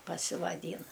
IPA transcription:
pɐsʲɪʋɐˈdʲiːnɐ

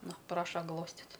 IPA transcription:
ˈnʊ ˈprɑːʃɐ ˈɡlˠoːsʲtʲɪtʲ

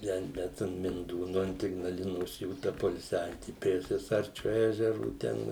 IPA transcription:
ˈtʲɛn ˈbʲɛt ɐn mʲɪnˈduːnʊ ɐnt ɪɡnɐˈlʲɪnoːs ˈjuː tɐ poːɪlʲˈsʲæːʋʲiɛtʲɪ pʲrʲiɛ sʲiɛˈsɐrʲt͡ʃʲʊ ˈæːʒʲɛrʊ ˈtʲɛn

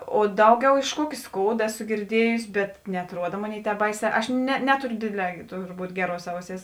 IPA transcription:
oː ˈdɐʊˌɡʲɛʊ ɪʃ ˈkuɔkʲɪ ˈskoːʊdɐ ˈæːˌsʊ ɡʲɪrʲˈdʲiɛjʊsʲɪ bʲɛt nʲɛɐtˈruɔdɐ ˈmoːˌnʲeːɪ ˈtʲɛːp ˈbɐɪˌsʲɛː ˈɐʃ nʲɛ ˈnʲæːtʊrʲʊ ˈdʲeːˌdʲlʲɛː tʊrˈbuːt ˈɡʲæːˌruɔs ˈɐʊˌsʲeːɪs

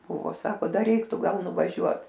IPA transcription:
ˈbuːʋoː ˈsɑːkoː ˈdɐr ˈrʲɛɪktʊ ˈɡɐlˠ nʊʋɐˈʒʲuɔt

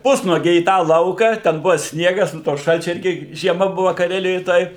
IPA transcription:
ˈpʊsnuɔɡʲɛɪ iː ˈtɑː ˈlˠɐʊkɑː tʲɛn ˈbʊʋɐ ˈsʲnʲiɛɡɐs nʊ toː ˈʃɐlʲt͡ʃʲʊ ˈɪrʲɡʲɪ ʒʲiɛˈmɐ ˈbʊʋɐ kɐˈrʲæːlʲɪjoːj ˈtoːj

